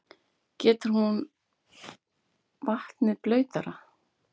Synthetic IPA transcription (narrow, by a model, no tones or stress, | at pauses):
cɛːt̪ʏɾ̥hun | vaht̪nɪplœːɥt̪aɾa